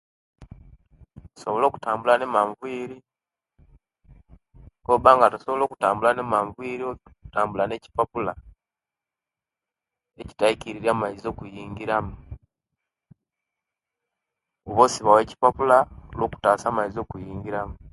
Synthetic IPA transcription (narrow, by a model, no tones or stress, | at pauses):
tu̥so̞βolo̞ːku̥taːmbulane̞maɱvwiːɾi | koβaːŋɡatusoβolo̞ːku̥taːmbulanemaɱvwiːɾiotaːmbulane̞ci̥papula | e̞ci̥taiciɾiɾaːmaizo̞ːkujiːŋɡiɾamu | oβoːsiβawe̞ːci̥papulaolwoːku̥taːsaːmaizo̞ːkujiːŋɡiɾamu